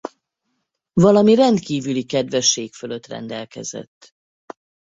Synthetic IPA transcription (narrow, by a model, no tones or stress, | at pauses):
vɒlɒmirɛnd̪kiːvylikɛd̪vɛʃːeːkføløt̪rɛ̰nd̪ɛlkɛ̰zɛ̰t̪ː